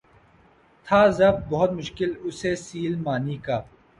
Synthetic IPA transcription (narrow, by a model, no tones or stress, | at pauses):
t̪ʰaːzɐbt̪̚bɐɦʊt̪mʊʃkɪlʊseːsiːlmaːniːkaː